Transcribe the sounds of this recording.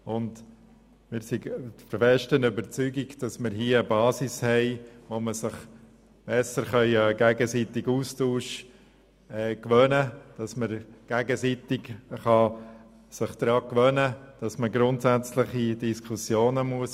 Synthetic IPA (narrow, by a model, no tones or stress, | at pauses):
ʊnd | mɪɾsifəɾfɛʃtənybəɾt͡syɡiɡd̥ɑsmɪɾɦiəəbɑːsishɛɪʋoməsɪχ | b̥ɛsəɾχœʏəɡ̥æɡəsitɪɡuːstuːʃ | ɛkʋœnəd̥ɑsməɾɡ̥æɡəsit̪ɪɡχɑ | sɪχd̪̥ɾɑːkʋœnəd̥ɑsməɡɾʊntsæt͡slɪχid̥iskʰχusjoːnəmuəs